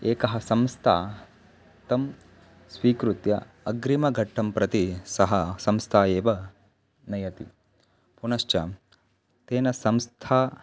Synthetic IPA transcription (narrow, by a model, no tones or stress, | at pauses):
eːkɐɦɐsɐmst̪ʰa̰ː | t̪ɐm | sʋiːkɾut̪jɐ | ɐɡɾimɐɡʱɐʈʰːɐmpɾɐt̪isɐɦɐsɐmst̪ʰaːeːʋɐ | nɐjɐt̪i | punɐʃt͡ʃɐ | t̪eːnɐsɐmst̪ʰaː